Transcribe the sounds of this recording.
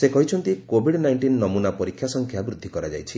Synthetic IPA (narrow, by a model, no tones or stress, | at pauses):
sekɔɦit͡ʃʰɔnt̪ikobʱiɽnajɳʈinːɔmunapɔɾikʰːjasɔŋkʰjabɾud̪ʱːikɔɾad͡ʒa̰jt͡ʃʰi